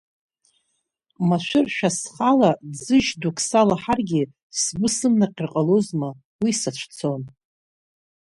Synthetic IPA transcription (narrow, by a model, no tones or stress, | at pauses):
maʃʷᶣʊrʃᶣasχalad͡zɨʒdukʰsalaħarɡʲi | sbʷʊsɨmnaqʲɪrqʼalozma | wisat͡ʃʷʰt͡sʰo̞n